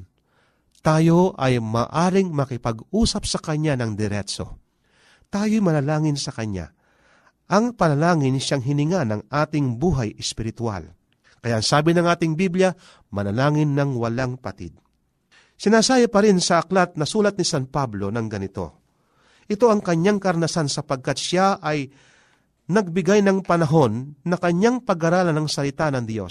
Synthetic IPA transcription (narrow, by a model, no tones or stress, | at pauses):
t̪aːjo̞ʔɐjmaːʔaːɾɪŋmɐkɪpɐɡuːsɐpsɐkɐɲanɐŋd̪ɛɾɛt̪t͡ʃo̰ | t̪aːjojmɐnɐlaːŋɪnsɐkɐɲa̰ | ʔɐŋpɐnɐlaːŋɪnʃaŋɦɪnɪŋanɐŋʔaːt̪ɪŋbuːɦajɛspɪɾɪt̪wa̰l | kɐjaʔɐŋsaːbɪnɐŋaːt̪ɪŋbibljɐ | mɐnɐlaːŋɪnːɐŋwɐlaŋpɐ̰t̪ɪ̰d̪̚ | sɪnaːsaːjɐpɐɾɪnsɐʔɐklat̪̚nɐsuːlɐt̪̚nɪsanpablo̞nɐŋɡɐnɪt̪o̞̰ | ʔɪt̪o̞ʔɐŋkɐɲaŋkɐɾnɐsansɐpɐɡ̚kɐt̪ʃaʔɐj | nɐɡ̚bɪɡajnɐŋpɐnɐɦo̞nːɐkɐɲːaŋpɐɡaɾaːlɐnɐŋsɐlɪt̪anɐŋd̪jo̞̰s